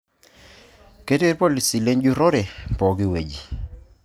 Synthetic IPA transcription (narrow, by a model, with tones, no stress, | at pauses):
ke˦te˦ɾpo˦li˨si˨le˦ɲd͡ʒu˦ɾɔ˦ɾɛ˨pɔ˨ɡɪ˦we˨d͡ʒi˨